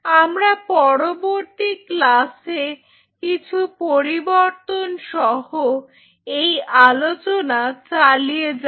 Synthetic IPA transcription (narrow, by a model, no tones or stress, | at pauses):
amɾapɔɾoboɾt̪iklase | kit͡ɕʰupoɾiboɾt̪onʃɔɦo | ejalot͡ɕonat͡ɕalijed͡ʑ